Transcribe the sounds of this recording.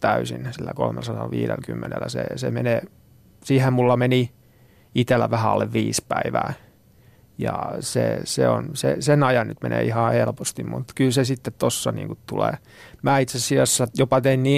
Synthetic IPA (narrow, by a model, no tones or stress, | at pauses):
t̪æysinsilːækolmelsɑtɑlʋiːɾelkymːenḛlːæsḛsemeneː | siːhemmulːɑmeni | it̪elːæʋæhæɑlːeʋʋiːspæiʋæː | jɑsḛseonsḛsenɑjɑnnyt̪menḛːihɑhelpost̪immut̪kylsesit̪ːet̪t̪osːɑnḭːŋkut̪t̪ulḛː | mæːit̪seɑsiɑsːɑjopɑt̪einniː